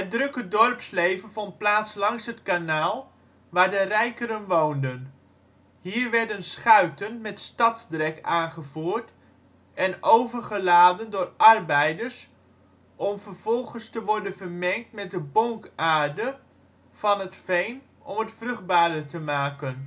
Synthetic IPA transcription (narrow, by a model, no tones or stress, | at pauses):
ɦət̚drɵkədɔrpslejvənvɔnt̚plaːtslɑŋsɦətkanaːlˠ | ʋaːɹdərɛjkəɾənʋowndən | hiːɹʋɛɹdənsχœɥtənmɛtstɑtzdrɛkaːnχəv̥uːɹt | ʔɛnowvəɹχəlaːdəndʊːrʔɑrbɛjdəɹs | ʔɔmvəɹv̥ɔlˠχənstəʋɔɹdənvəɹmɛŋk̚tmɛt̚dəbɔŋkaːɹdə | v̥ɑnɦətfejn | ɔ̰mətfrɵχ̚baːɾətəmaːkən